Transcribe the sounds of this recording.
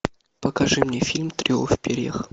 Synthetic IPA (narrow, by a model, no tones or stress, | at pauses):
pəkɐʐɨmnʲefʲilʲmt̪ɾʲofʲpʲeɾʲḛx